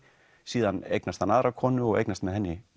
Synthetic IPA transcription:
siːðhaneknast̪hanaðɾakʰɔnʏɔḛknast̪mɛðhɛnːɪ

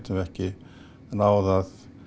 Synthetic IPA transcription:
t̪ʏmvɛhcɪ | naːwðað

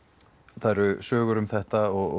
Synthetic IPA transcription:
θaðɛɾʏsœːɣʏɾʏmθɛht̪aɔɣ

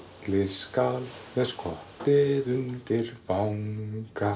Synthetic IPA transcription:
lɪskalmɛskʰɔht̪ɪðʏnt̪ɪɾpawŋka

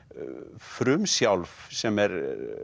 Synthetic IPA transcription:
fɾʉmsjalfsɛmɛɾ

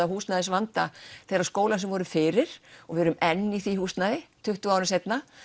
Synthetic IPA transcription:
ahuːsnaðɪsvant̪aθejɾaskoːwlas̬ɛmvɔːɾʏfɪːɾɪɾ̥ɔvɪɛɾʏmɛnːiθihuːst̪naðɪt̪ʰʏht̪ʏawɾɪnsejt̪na

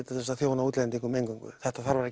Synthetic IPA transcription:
t̪asɛst̪aθjoːwnauːt̪lɛnt̪iŋkʏmejŋkʏŋkʏ̰θɛht̪aθaɾvaɾɛhc

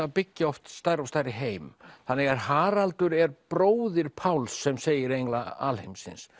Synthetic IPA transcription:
apɪcːɪɔft̪st̪ajɾɔst̪ajɾɪɦeːjmθanːɪɣaɾ̥haːɾalt̪ʏɾɛɾpɾoːwðɪɾ̥pʰawlsːɛmseːjɪɾejŋklaa̰lhejmsɪ̰ns

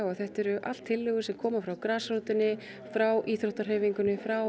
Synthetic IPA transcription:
aθɛht̪ɛɾʏʔa̰l̥t̪ʰːɪlːʏːɣʏsɛmkʰɔːmafɾawkɾaːsɾowt̪ʏnːɪ | fɾawʔiːθɾoht̪aɾ̥ɛːviŋkʏnːɪfɾaw

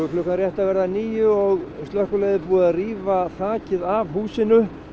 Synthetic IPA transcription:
ʏflʏhkːanrjɛht̪avɛɾðaniːjʏɔɣst̪lœhkʏleːjðɪpuːariːvaθaːcɪðavɦuːsɪnʏ

